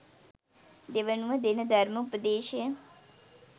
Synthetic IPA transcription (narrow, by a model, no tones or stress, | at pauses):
d̪eʋənuəd̪ɪnd̪ʱəɾmʊpəd̪eːʃe